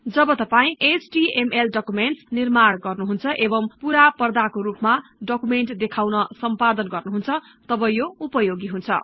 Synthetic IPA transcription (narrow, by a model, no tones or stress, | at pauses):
d͡zʌbʌt̪ʌpaĩʔet͡ʃʈiemelɖʌkumeɳʈnirmaɽɡʌrnuɦunt͡sʰʌʔebʌmpuɾapʌrd̪akoɾupmaɖʌkumeɳʈd̪ekʰawnʌsʌmpad̪ʌnɡʌrnuɦunt͡sʰʌ | t̪ʌbʌjoupʌjoɡiɦunt͡sʰʌ̰